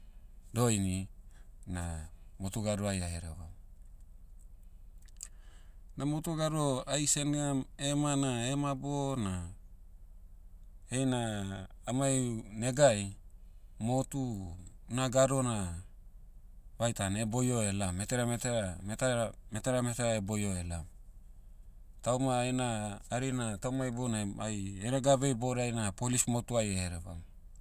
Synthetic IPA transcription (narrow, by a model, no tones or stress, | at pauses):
do̞jni | na̰motuɡaɾuajaeɾḛβa | namotuɡaɾuoajse̞neamemanaemabona | hejnaː | mane̞ɡaj | mo̞tunaɡaɾo̞na | βajtanebo̞jo̞e̞lame̞teɾameteɾametmeteɾame̞teɾaebo̞jo̞e̞lam | tawmaenaːɾinatawmajbonaajeɾeɡaβe̞jbo̞ɾajnapolismotuajeɾeβa̰m